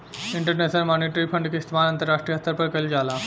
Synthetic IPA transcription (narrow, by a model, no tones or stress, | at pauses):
ɪɳʈəɾnesnəlmoniʈɾipʰəɳɖkist̪manɐ̃nt̪əɾaʂʈɾijəɦəst̪ːəɾpəɾkəld͡ʒala